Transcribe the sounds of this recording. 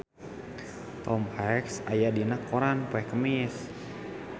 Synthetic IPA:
t̪ɔmfaksajadiənakʰːoɾanpoɛkəmɪs

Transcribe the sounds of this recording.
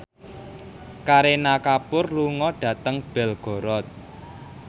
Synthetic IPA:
kaɾenakapʊrluŋɔɖ̥ä̤t̪əŋb̥ɛ̤lɡ̥ɔ̤ɾɔt̪̚

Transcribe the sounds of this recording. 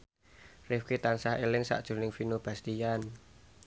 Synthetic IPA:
rɪfkit̪ansaɦelɪŋsa̰ʔd̥ʒ̥ṳnɪŋfinob̥ä̤st̪ijan

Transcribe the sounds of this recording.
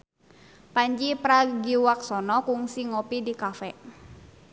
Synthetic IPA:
paɲd͡ʒipɾaɡiwak̚sɔnɔkuŋsiŋɔpidikafɛ

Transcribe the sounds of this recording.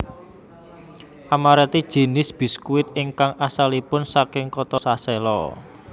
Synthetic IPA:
ʔamaɾɛt̪id̥ʒ̥e̤nɪsb̥i̤skuɪt̪ɪŋkaŋʔasalipʊnsakɪŋkɔt̪ɔsasɛlɔ

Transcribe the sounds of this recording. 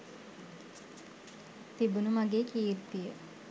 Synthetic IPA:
t̪ibunumaɡeːkiːɾt̪ijə

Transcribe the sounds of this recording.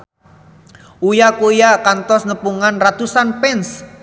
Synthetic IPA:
ujakujakant̪ɔsnəpuŋanrat̪usanpɛns

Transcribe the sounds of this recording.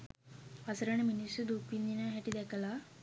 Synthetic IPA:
ɐsɐɾɐɳeminisud̪ukind̪inaɦɛʈid̪ɛkɐla

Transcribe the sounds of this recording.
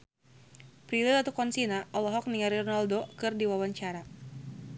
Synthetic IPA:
pɾililat̪ukɔnsinaʔɔlɔɦɔk̚niŋaɾirnaldokɨrdiwawaɲt͡ʃaɾa

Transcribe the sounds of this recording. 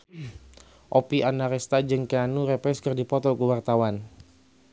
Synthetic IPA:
ʔopiʔanaɾɛst̪ad͡ʒəŋkeanuɾepɛskərdipɔt̪ɔkəwart̪awan

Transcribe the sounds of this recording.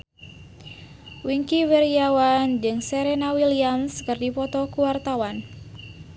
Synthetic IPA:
wiŋkiweɾiawand͡ʒɨŋsɛɾenawilianskɨrdipɔt̪ɔkuwart̪awan

